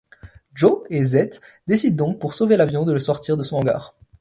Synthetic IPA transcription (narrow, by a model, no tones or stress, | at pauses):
ʒoezɛt̪d̪esid̪̚ːɔ̃k̚puʁsovelavjɔ̃d̪ələsɔʁt̪ʰiʁd̪əsɔ̃ɑ̃ɡa̰ːʁ